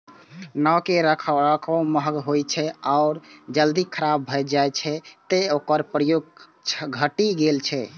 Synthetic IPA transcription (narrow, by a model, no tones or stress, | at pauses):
nɔkeɾəkʰɾəkʰɔməɦɡɦojt͡ʃʰɛaʊɾd͡ʒəld̪ikʰəɾabːʱəjd͡ʒajt͡ʃʰɛt̪eokəɾpɾəjoɡ | t͡ʃʰɡʱəʈiɡelt͡ʃʰɛ